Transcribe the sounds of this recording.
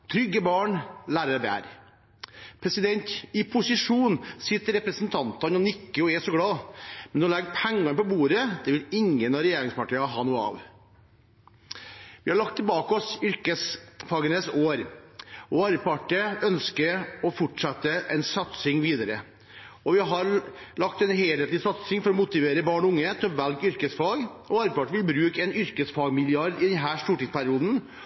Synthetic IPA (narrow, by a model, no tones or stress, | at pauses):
t̪ʰɾʏɡːəbɑːɳlæːɾəɾd̪æ̰ːɾ | pʰɾɛsɪd̪ɛnt̪ɪpʰʊsɪʂuːnsɪt̪ːəɾɛpɾɛsənt̪ʰɑnt̪ɑnɔnɪkːəɔɛsɔɡɽɑːmɛnd̪ɑlɛɡ̪pʰɛŋːɑnpɔbuːɾəd̪̥ɛʋɪlɪŋːənɑɾɛjeːɾɪŋspʰɑʈiːɑɦɑːnuːɑ̰ːʋ | ʋɪhɑɭɑk̚t̪ʰːɪlbɑːkəɔsʏɾkəsfɑːɡənəsoːɾɔɑɾəpɑʈːəœnskəɾɔfɔʈʂɛt̪ːəʔɛnsɑt̪sɪŋʋiːd̪əɾə | ɔʋɪɦɑɾlɑk̚t̪ɛnɦeːlheːt̪lɪsɑt̪sɪŋfɔɾɔmʊt̪ɪʋeːɾəbɑːɳɔʊŋːət̪ʰɔʋælkʏɾkəsfɑːɡɔɑɾəpɑʈəʋɪlbɾʉːkɛnʏɾkəsfɑːɡmɪlɪɑɾɖɪd̪ɛnɦæːʂt̪uːʈiːspʰæɾɪuːd̪n̩